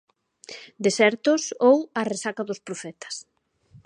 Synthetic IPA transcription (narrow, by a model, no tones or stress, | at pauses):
d̪esɛɾt̪ʊsowɐresakaðʊspɾofɛt̪ɐ̥s